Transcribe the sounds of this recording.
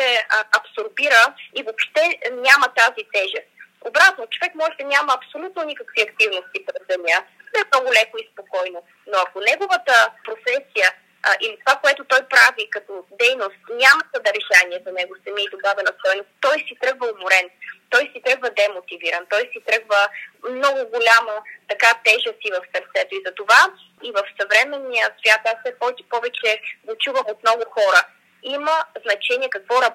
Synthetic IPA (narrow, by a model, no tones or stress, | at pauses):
ɛɐpsoɾbiɾəivopʃt̪ɛnʲamət̪azit̪ɛʒɛst̪ | obɾat̪not͡ʃovɛkmɔʒɛd̪ɐnʲamɐːpsolʲut̪nonikəkviɐk̚t̪ivnost̪ipɾɛzd̪ɛnʲad̪ɛɛmnɔɡʊlʲɛkoispokɔjno | noɐkonɛɡovət̪əpɾofɛsijə | ʔilit̪ovakoɛt̪ʊt̪ɔjpɾavikɐt̪od̪ɛjnost̪nʲamət̪ɐd̪ɐɾɛʃaniɛzɐnɛɡosɐmiid̪obavɛnɐst̪ɔjnost̪t̪ɔjsit̪ɾɤɡvəoboɾɛnt̪ɔjsit̪ɾɤɡvəd̪ɛmot̪iviɾɐnt̪ɔjsit̪ɾɤɡvəmnɔɡʊɡolʲamət̪ɐkat̪ɛʒəsivəfsɐɾt̪sɛt̪oizɐt̪ova | ivəfsɐvɾɛmɛnːijəsvʲjat̪afsɛpɔt̪ɛ̥pɔvɛt͡ʃɛɡot͡ʃuvəmot̪nɔɡʊxɔɾə | iməznɐt͡ʃɛniɛkɐkvɔɾɐ